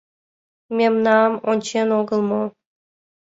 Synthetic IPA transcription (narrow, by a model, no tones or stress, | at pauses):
mʲemnɑmonʲt͡ɕenoɡɤ̆lˠmo